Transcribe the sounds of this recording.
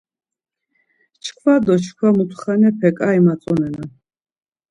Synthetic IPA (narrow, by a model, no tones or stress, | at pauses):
t͡ʃʰkʰvad̪ɔt͡ʃʰkʰwamut̪ʰχanɛpʰɛkʼaimasʼɔnɛna